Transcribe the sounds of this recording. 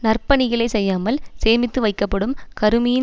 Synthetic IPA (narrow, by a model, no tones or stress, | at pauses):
nɐrpɐɳɪɣɐɭɐɪsɛjːaːmɐlseːmɪt̪ːɯʋɐɪkːɐpːɐɽɯmkɐɾɯmɪjɪ